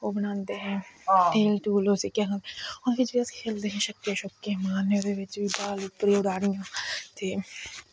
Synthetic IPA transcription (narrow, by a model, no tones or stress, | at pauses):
oːbənãːnd̪eɦɛ̃ːeːlʈuːloːsekaɦãneɔːɾked͡ʒiəskʰeːld̪eɦɛ̃ʃəkːẽʃɔːkːẽmaːned̪eʋɪt͡ʃbiːbaːlʊpːɾeʊɽaːɽijãːt̪eː